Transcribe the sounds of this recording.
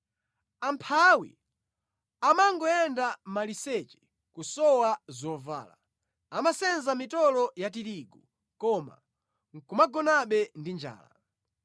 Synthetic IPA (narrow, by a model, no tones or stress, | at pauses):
ampʰawḭ | amaŋɡɔɛndamalisɛt͡ʃɛ̥ | kusɔwazɔva̰ːla | amasɛnzamitɔlɔjatiɾiɡu | kɔma̰ | ŋ̩kumaɡɔnaɓɛndind͡ʒa̰ːla̰